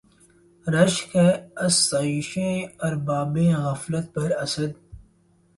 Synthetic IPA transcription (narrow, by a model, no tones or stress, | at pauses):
ɾɐʃkeɐsːɐiʃẽːɐɾbaːbẽːɣɐːflət̪̚pɐɾɐsəd̪